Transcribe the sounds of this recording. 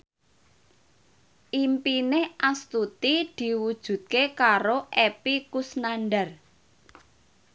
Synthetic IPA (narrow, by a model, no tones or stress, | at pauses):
ʔimpinehʔast̪ut̪id̪̥i̤wud̥ʒ̥ṳt̪̚kekaɾoʔepikusnanɖar